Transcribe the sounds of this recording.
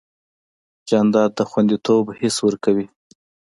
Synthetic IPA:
d͡ʒɑnd̪ɑd̪̚ːəxwand̪it̪ʰobhɪswəɾkawi

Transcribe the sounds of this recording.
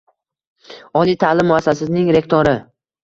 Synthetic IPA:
ɒlˠijt̪ʰalɪmːʊasːasɪznɪŋɾe̞kt̪ʰoɾɪ

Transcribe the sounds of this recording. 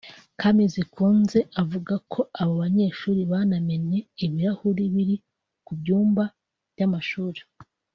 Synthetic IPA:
kʰamizikʰuːnze̞ʔavuɡakʰo̞aβoβaɲe̞ʃuːɾiβaname̞ne̞ːβiɾahuɾiβiɾi | kubɟuːmba | v̥ɟamaʃuːɾe

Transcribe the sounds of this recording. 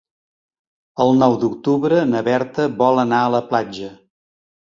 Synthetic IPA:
əlˠnɔwd̪uk̚t̪uβɾənəβɛɾt̪əβɔlˠənaələplad͡ʒə

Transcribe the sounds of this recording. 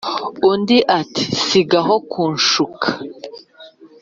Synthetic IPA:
undiʔati̥siɡaɦokʰuːnʃukʰḁ

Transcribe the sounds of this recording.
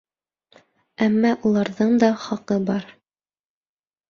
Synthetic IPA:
æmːɑʔulˠɑɾðɤɴd̪ɑχɑqɤbɑɾ

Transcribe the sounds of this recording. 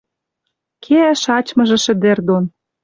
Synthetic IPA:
kʰeæʃɑt͡ɕmɤ̆ʒĕʃɘ̆d̪ĕrd̪on

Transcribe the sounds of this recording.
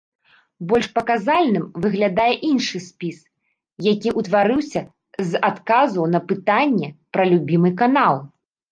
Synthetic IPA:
bɔlʲʂpɐkazalʲnɨmvɨɣlʲad̪ajɛʔinʂɨsʲpʲis | jakʲiʔut̪vaɾɨwsʲɐ | zat̪kazɐwnɐpɨt̪anʲːɛpɾɐlʲubʲimɨkanalˠ

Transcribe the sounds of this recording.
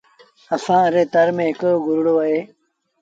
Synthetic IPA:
ɐsãːɐɾeːt̪ɐɾmẽːɦɪkɡʱʊɾɽoːɐɦeː

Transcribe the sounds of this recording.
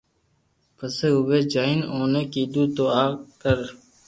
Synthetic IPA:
pəseːɦʊʋeːd͡ʒaːɪnoːneːkiːd̪uːt̪oːaːkəɾ

